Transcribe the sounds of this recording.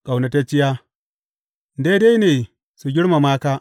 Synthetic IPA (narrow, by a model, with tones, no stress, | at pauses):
kʼa˨wna˨ta˦t͡ʃɪ˦jaː˦ | de˦da˦jneː˨ | su˨ɡʲɪ˦ɽma˨maː˦kaː˦